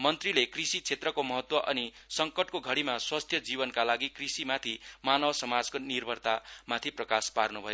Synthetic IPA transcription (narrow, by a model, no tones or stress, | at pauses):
mʌnt̪rilekrisit͡sʰet̪rʌkomʌɦʌt̪wʌʔʌnisʌŋkʌʈkoɡʱʌɽimaswast̪ʰjʌd͡zibʌnkalaɡikrisimat̪ʰimanʌbsʌmad͡zkonirbʱʌrt̪amat̪ʰiprʌkasparnubʱʌjo